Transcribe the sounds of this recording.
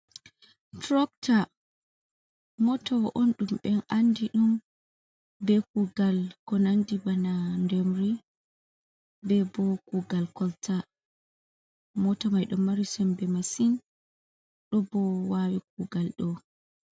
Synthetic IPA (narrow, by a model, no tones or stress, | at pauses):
tɾɔk̚tʰa | mɔtʰɔwɔʔonɗumɓɛnandiɗum | bɛk̚uɡalkɔnandibanandɛmɾi | bɛbɔkuɡalkɔltʰa | mɔtɔmajɗɔmːaɾisɛmbɛmasin | ɗɔbɔwawik̚uɡalɗɔ